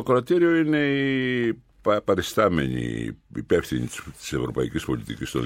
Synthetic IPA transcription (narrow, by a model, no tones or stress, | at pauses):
okɾot̪iɾioine̞i | pɐɾest̪ɐme̞̰ɲḭipefθiɲḭt̪i̥se̞vɾo̞pɐicispo̞lit̪icist̪on